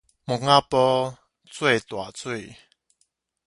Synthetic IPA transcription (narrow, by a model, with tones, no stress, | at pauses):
mu˨˩ŋa˦pɔ˦ | t͡swe˥˨t̪wa˨t͡swe˥˨